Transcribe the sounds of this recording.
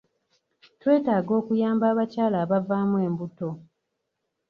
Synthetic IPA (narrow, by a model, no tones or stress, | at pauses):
twe̞ːtaːɡo̞ːkujaːmbaːβacaːlaːβavaːmwe̞ːmbuto̞